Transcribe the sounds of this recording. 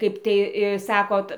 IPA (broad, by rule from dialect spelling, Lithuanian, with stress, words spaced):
ˈkɐɪp tɐɪ ɪ ˈsɑːkoːt